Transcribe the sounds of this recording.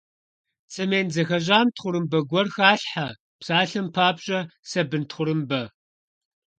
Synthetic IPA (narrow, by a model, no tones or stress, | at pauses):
t͡sʼɨmeːnzɐxɐʑaːmtʰχʷʊɾɨmbɐɡʷɔrxaːɬħa | psaːɬɨmpʰaːbɕʼɐsɐbɨntʰχʷʊɾɨmbɐ